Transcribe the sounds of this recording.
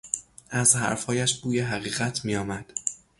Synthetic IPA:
æzhæ̰ɾfhɒːjæʃb̥uːjeɦæɣiːɣæt̪ʰmiːjɒːmæd̪̥

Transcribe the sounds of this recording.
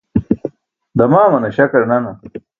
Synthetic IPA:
d̪ɐmaːmɐnɐɕɐkɐɾnɐnɐ

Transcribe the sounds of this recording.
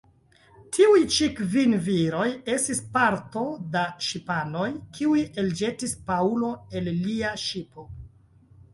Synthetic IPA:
tʰiujt͡ʃikvinviɾo̞je̞stispaɾto̞daʃipano̞jkʰiuje̞ld͡ʒe̞tispaulo̞e̞lːiaʃipo̞

